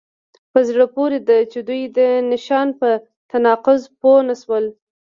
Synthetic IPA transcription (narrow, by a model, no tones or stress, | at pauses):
pəzɽəpoɾed̪at͡ʃed̪ujd̪ənɪʃɑnpə | t̪anɑqʊzponaʃwəl